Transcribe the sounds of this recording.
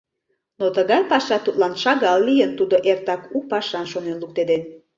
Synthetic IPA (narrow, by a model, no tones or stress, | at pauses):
not̪əɣɑjpɑʃɑt̪ut̪lɑnʃɑɣɑlːijənt̪ud̪oʔert̪ɑkuk̚pɑʃɑnʃonenluk̚t̪ed̪en